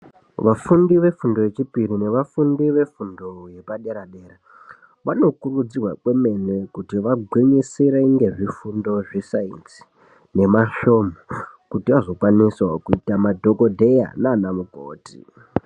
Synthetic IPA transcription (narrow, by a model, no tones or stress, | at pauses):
ʋafundiʋe̞fundo̞je̞t͡ʃipirine̞ʋafundiʋe̞fundo̞je̞paɗe̞ɾaɗe̞ːra | ʋano̞kurud͡zirwakwe̞me̞nwekutiʋaɡʱwiɲisiɾeiŋɡe̞ʐifundo̞ʐisainsi̥ | ne̞maʃo̞ːmo | kutiʋaʐo̞kwaniswakuitamadʱo̞kodʱe̞ja̰naːnamuko̰ːtḭ